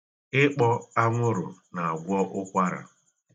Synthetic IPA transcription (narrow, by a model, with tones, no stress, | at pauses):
ɪ˦k͡pɔ˦a˦ŋʷʊ˦ɾʊ̰˨na˨a˨ɡʷɔ˦ʔʊ˦kʷa˦ɾa̰˨